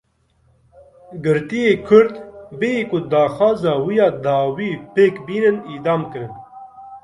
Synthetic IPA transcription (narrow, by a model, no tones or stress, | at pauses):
ɡɨɾt̪ijeːkʰʊɾd̪beiːkʊd̪ɑːxɑːzɑːwijɑːd̪ɑːwiːpeːkbiːnɨniːd̪ɑːmkɨɾɨn